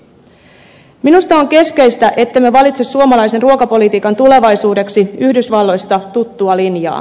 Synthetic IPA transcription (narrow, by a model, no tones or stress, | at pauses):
minust̪ɑo̞ŋke̞ske̞jst̪æʔe̞t̪ːemeʋɑlit̪sesːuomɑlɑjse̞nruokɑpo̞lit̪iːkɑnt̪ule̞ʋɑjsuːde̞ksiyhdysʋɑlːo̞jst̪ɑt̪ut̪ːuɑlinjɑ̰ː